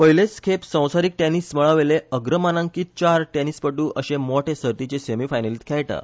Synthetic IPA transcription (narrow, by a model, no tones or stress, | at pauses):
pəɦileskʰepsə̃w̃saɾik̚ʈenisməɭaʋeleəɡɾəmanãŋkiːt̪̚t͡ɕaɾʈenispəʈuːʔəɕemoʈʰesəɾt̪it͡ɕesemifajnəliːt̪kʰɛɭʈa̰